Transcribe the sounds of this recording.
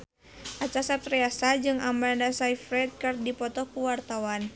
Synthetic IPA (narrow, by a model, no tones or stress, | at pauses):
ʔat͡ʃasapɾiasad͡ʒɨŋambandasaifɾɛt̪̚kardipɔt̪ɔkuwart̪awan